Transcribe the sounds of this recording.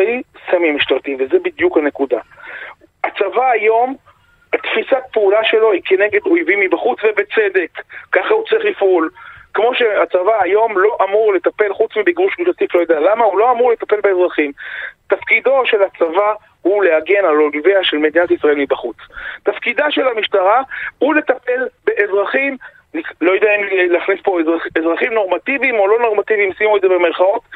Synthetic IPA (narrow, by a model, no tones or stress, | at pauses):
isamiemiʃtaʁt̪ivezebid̪jukhane̞kud̪a | at͡savaːjo̞m | at̪fisat̚peulaʃe̞lo̞ike̞ne̞ɡe̞d̪ojvimibaχut͡svebet͡se̞d̪e̞kːaχaut͡saʁiχlifʔulkmo̞ʃeat͡savaːjo̞mlo̞ʔamuʁle̞t̪ape̞lχut͡smibiɡʁuʃmiʃlat̪iflo̞jod̪ealamaulo̞amuʁle̞t̪ape̞lbeːzʁaχimt̪afkid̪o̞ʃe̞lat͡sava | huleaɡe̞naloliveaʃe̞lmed̪inat̪isʁae̞lmibaχut͡st̪afkid̪aʃe̞lamiʃt̪aʁahule̞t̪ape̞lbe̞ʔezʁaχim | nilo̞jodeaimleaχnispo̞ezaezʁaχimno̞ʁmat̪ivimo̞lo̞no̞ʁmat̪ivimsimuezebemeʁχao̞t̪